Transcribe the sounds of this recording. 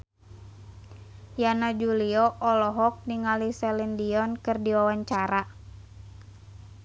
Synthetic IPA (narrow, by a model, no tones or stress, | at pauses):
janad͡ʒuliɔʔɔlɔɦɔk̚niŋalisɛlɛndiɔnkɨrdiwawaɲt͡ʃaɾa